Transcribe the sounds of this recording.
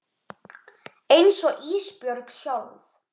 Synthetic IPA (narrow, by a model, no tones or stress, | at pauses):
ejnsɔʔiːspjœɾksjawð